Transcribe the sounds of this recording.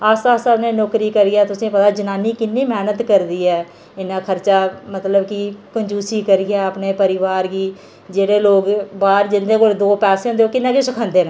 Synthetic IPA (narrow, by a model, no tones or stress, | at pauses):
əsasaːlnẽːnoːkɾiːkəɾijaːt̪ʊsẽːpət̪aːd͡ʒənaːniːkɪnːiːmɛːnət̪kəɾd̪iːɛː | ɪnːãːkʰəɾt͡ʃaːmət̪ləbkɪkʊɲd͡ʒuːsiːkəɾijaːəpneːpəɾɪʋaːɾɡiː | d͡ʒeːɽeːloːɡbaːɾd͡ʒɪnd̪eːkoːld̪oːpɛːseːɦʊ̃nd̪eoːkɪnːãːkesəkʰə̃nd̪eːnẽ